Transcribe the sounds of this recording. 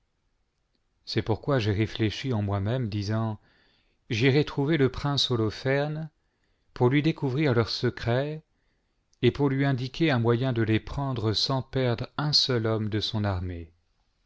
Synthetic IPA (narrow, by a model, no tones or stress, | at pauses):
sɛpuʁkwaʒeʁefleʃiɑ̃mwamɛmd̪izɑ̃ | ʒiʁɛt̪χuveləpχɛ̃solɔfɛʁn | puʁlɥid̪ekuvʁiʁlœʁsəkχɛ | epuʁlɥiɛ̃d̪ikʲʰeɛ̃mwajɛ̃d̪əlepχɑ̃d̪ʁəsɑ̃pɛʁd̪ʁɛ̃sœlɔmd̪əsɔ̃naʁme